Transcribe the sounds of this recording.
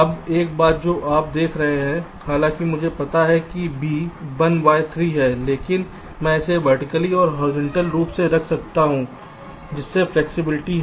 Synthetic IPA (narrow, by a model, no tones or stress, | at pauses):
ɐbeːk̚baːt̪̚d͡ʒoːʔaːp̚d̪eːkʰɾɐɦẽɦɛ̃ | xaːlãːkimʊd͡ʒʱepɐt̪aɦɛkibʱiːbɐnʋaːet̪ʰɾiːɦɛːleːkɪn | mɛ̃ɪseʋɐɾʈɪkəliɔːɾɦɔːɾɪd͡ʒɛ̃ɳʈəlɾuːpseɾɐkʰsɐk̚t̪aɦũː | d͡ʒɪsːeflɛːksɪbɪlɪʈiɦ